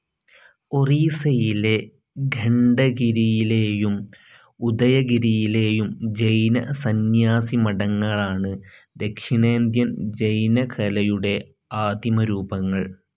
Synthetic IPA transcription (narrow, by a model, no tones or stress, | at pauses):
o̞riːsɐjile | ɡʱeɳɖɐɡiɾijileːjum | ud̪ɐjɐɡiɾijile̞ːjumd͡ʑejnɐ̰sɐnjaːsimɐɽɐŋːɐɭaːɳɨd̪e̞kʂiɳeːnd̪jɐmd͡ʑejnɐkʰɐlɐjuɽe̞ | aːd̪jimɐɾuːbɐŋːɐɭ